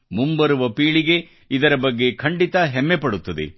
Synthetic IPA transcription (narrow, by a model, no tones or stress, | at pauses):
mumbɐɾuʋɐpiːɭiɡe̞ | id̪ɐɾɐbɐɡːe̞kʰɐɳɖit̪ɐɦɛmːepɐɽut̪ːɐd̪e̞̰